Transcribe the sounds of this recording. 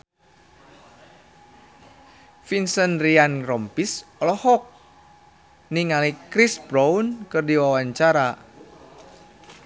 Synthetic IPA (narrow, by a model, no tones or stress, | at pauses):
finsənrianrɔmpisɔlɔhɔk̚ | niŋalikɾisbɾaunkɨrdiwawaɲt͡ʃaɾa